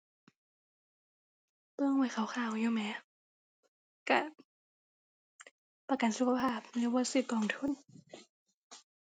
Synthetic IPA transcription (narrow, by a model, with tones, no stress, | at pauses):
pɤː˧˨ŋwaː˧˩˦xʰa˨˩˦wxʰaː˧˩˨wjuː˧˨mɛː˨˧˦ | ka̰˧˩ | pa˧ka˨nsu˧˦kʰa˧pʰaː˧˩˨p̚lɯː˧˦waː˧˦sɯː˧˩p̚kɔː˨˩˨ŋt̪ʰu˧˥˨n